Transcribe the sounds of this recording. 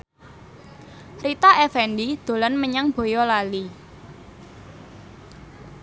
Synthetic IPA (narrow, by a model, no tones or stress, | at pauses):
rit̪aʔɛfɛnɖid̪̥o̤lanməɲaŋb̥o̤jɔlali